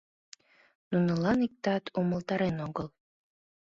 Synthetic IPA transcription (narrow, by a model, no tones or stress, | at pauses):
nunəlɑnik̚t̪ɑt̪ʰuməlt̪ɑɾenoɣəl